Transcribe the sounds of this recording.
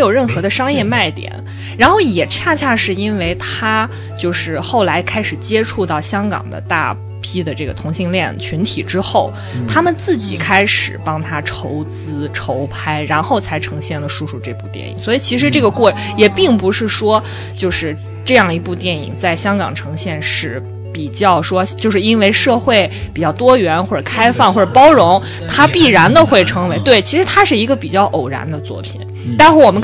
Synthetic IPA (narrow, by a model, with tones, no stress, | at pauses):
jo˨˩ʊɻə˥˩nxɤ˧˥d̪ə˧ʂɑ˥ŋjɛ˥˧ma˥˩ɪt̪jɛ̰˨˩˦n | ɻa˧˥nxo˥˩ʊjɛ˨˩t͡ɕʰja˥˧t͡ɕʰja˥˧ʂɻ̩˥˩i˥nwe˥˩ɪt̪ʰa˥ | t͡ɕjo˥˧ʊʂɻ̩˥˧xo˥˩ʊla˧˥ɪkʰa˥ɪʂɻ̩˨˩t͡ɕjɛ˥ʈ͡ʂʰu˥˧t̪ɑ˥˩ʊɕjɑ˥ŋkɑ̰˨˩ŋd̪ə̰˦t̪a̰˥˩ | pʰi˥d̪ə˨ʈ͡ʂɤ˥˩ɡə̰˩t̪ʰʊ˧˥ŋɕi˥˧ŋljɛ˥˩nt͡ɕʰy˧˥nt̪ʰḭ˨˩ʈ͡ʂɻ̩˥xo˥˩ʊ | t̪ʰa˥mə˨nt͡sɹ̩˥˩t͡ɕḭ˨˩kʰa˥ɪʂɻ̩˨˩pɑ˥ŋt̪ʰa˥ʈ͡ʂʰo˧˥ʊt͡sɹ̩˥ʈ͡ʂʰo˧˥ʊpʰa˥ɪɻa˧˥nxo˥˩ʊt͡sʰa˧˥ɪʈ͡ʂʰɤ˧˥ŋɕjɛ˥˩nlə˩ʂu˥˧ʂu˥˧ʈ͡ʂɤ˥˧pu˥˧t̪jɛ̰˥˩nḭ˨˩˦ŋswɔ˧˥i˨˩t͡ɕʰi˧˥ʂ̬ɻ̩˧˥ʈ͡ʂɤ˥˩ɡə˩kwɔ˥˩ | jɛ˨˩pi˥˩ŋpu˧˥ʂɻ̩˥˩ʂwɔ˥ | t͡ɕjo˥˧ʊʂɻ̩˥˧ | ʈ͡ʂɤ˥˧jɑ˥˩ŋi˧˥pu˥˧t̪jɛ˥˩nḭ˨˩˦ŋt͡sa˥˩ɪɕjɑ˥ŋkɑ̰˨˩ŋʈ͡ʂʰɤ˧˥ŋɕjɛ˥˧nʂɻ̩˥˩ | pi˨˩t͡ɕjɑ˥˩ʊʂwɔ˥t͡ɕjo˥˧ʊʂɻ̩˥˩i˥nwe˥˧ɪʂɤ˥˧xwe˥˩ɪpi˨˩t͡ɕjɑ˥˩ʊt̪wɔ˥ɥɛ˧˥nxwɔ˥˩ʈ͡ʂə˨˩kʰa˥ɪfɑ˥˧ŋxwɔ˥˩ʈ͡ʂə˨˩pɑ˥ʊɻʊ˧˥ŋ | t̪ʰa˥pi˥˩ɻa˧˥nd̪ə˧xwe˥˩ɪʈ͡ʂʰɤ˧˥ŋwe˧˥ɪt̪we˥˩ɪt͡ɕʰi˧˥ʂɻ̩˧˥t̪ʰa˥ʂɻ̩˥˩i˧˥ɡə˧pi˨˩t͡ɕjɑ˥˩ʊʔo˨˩ʊɻa̰˧˥nd̪ə˧t͡swɔ̰˥˩pʰḭ˨˩˦n | t̪a˥˧nʂɻ̩˥˩wɔ˨˩mə˦